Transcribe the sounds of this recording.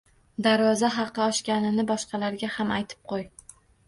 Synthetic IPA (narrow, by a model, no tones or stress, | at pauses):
d̪aɾvɒzaɦɑqʰːɨɒʃkʲanɪnɪbɒʃqɑlaɾɡʲahamajt̪ʰɪ̥p̚qʰoj